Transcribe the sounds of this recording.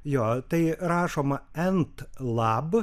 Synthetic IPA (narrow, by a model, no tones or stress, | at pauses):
joːt̪ɐɪɾɑːʃoːmɐɛnt̪lˠɑːb